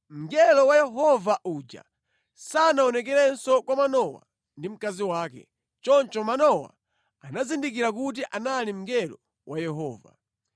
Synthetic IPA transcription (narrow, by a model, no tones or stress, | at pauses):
m̩ɡɛlɔwajɛɦɔvaʔud͡ʒa̰ | sanaɔnɛk̬ɛɾɛnsɔkwamanɔwa̰ | ndim̩kaziwaːkɛ̰ | t͡ʃɔnt͡ʃɔmanɔwa̰ | anazindikiɾakut̬iʔanalim̩ɡɛlɔ | wʔajɛɦɔːva̰